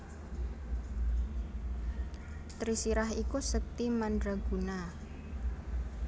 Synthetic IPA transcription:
t̪ɾisiɾaɦikusək̚t̪imandɾaɡ̥ṳna

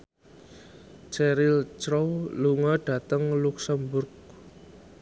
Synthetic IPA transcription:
t͡ʃɛɾɪlt͡ʃɾowluŋɔɖ̥a̤t̪əŋluksəmbʊrk̚

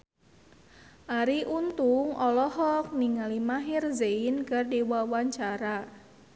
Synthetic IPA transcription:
ʔaɾiʔunt̪uŋɔlɔhɔk̚niŋalimaɦirzeɪnkardiwawaɲt͡ʃaɾa

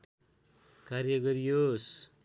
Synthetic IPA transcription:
kaɾjʌɡʌɾijos

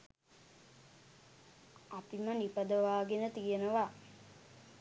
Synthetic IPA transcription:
apimənipəd̪əʋaːɡenət̪ijənəʋa

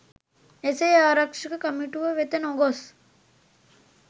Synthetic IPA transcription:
esejaːɾɐkʂikɐkɐmiʈuʋɐʋet̪ɐnoɡos

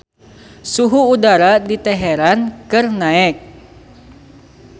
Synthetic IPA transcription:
suɦuːdaɾadit̪ɛɦɛɾankɨrnaɛk̚

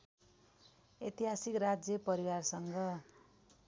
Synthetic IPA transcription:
et̪iɦasikrad͡zjʌpʌɾiwarsʌŋɡʌ

